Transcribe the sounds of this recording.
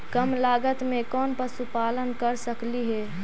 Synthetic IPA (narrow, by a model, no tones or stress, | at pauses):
kəmlaːɡət̪mẽkɔːnpəsupaːlənkəɾsəkliɦɛː